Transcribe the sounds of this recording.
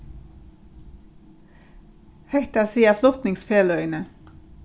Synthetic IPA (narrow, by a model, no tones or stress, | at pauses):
hɛht̪ɑsiːəflʊt̪nɪŋsfeːlœʏnə